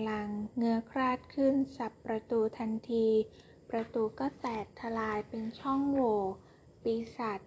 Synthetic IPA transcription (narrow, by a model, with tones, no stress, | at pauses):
la˧ŋːɯ˥˩əkʰɾaː˥˩t̪̚kʰɯ˥˩nsa˨˩pːɾa˧t̪uː˧t̪ʰa˧nt̪ʰiː˧ | pɾa˧t̪uː˧kɔː˥˩t̪ɛː˨˩k̚t̪ʰa˧laː˧jpe˧nt͡ɕʰɔ˥˩ŋwoː˧˩ | piː˧sa˨˩t̪̚